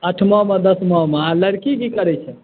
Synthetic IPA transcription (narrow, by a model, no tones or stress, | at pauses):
əʈʰmɔmed̪əsmɔmealəɾkiɡikəɾɛt͡ʃʰɛ